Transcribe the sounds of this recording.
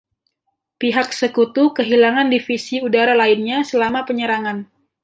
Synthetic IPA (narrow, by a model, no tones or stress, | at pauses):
piɦak̚səkut̪ukəɦilaŋandifisiudaɾalainɲasəlamapəɲəɾaŋan